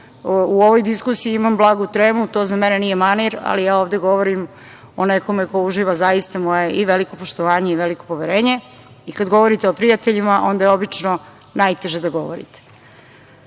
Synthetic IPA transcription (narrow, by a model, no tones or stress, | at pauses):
uo̞ʋojd̪iskusiiimamblˠaːɡut̪ɾeːmut̪o̞ːzamenenije̞maniɾa̰lijaːoːʋd̪eɡo̞ʋoɾim | oneko̞me̞ko̞uʒiːʋazajist̪amo̞je̞ʔiʋe̞liko̞poʃt̪oʋaːɲe̞iʋeliko̞po̞ʋeɾeːɲe̞ | ikad̪ɡo̞ʋo̞ɾit̪eopɾijat̪eʎimaʔo̞nd̪ajeo̞bit͡ʃno | najt̪e̞ʒed̪aɡo̞ʋo̰ɾḭt̪e̥